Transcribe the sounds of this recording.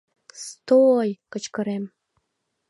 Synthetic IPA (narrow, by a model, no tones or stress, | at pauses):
st̪ojkɤ̆t͡ɕkɤ̆ɾem